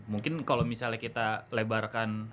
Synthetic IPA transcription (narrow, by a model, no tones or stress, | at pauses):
muŋkɪnkalomisalahkit̪alebarkan